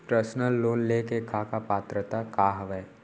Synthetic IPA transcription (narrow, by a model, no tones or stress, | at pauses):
pɾəsnəlːoːnlekekaːkapaːt̪ɾət̪akaːɦɐʋɛː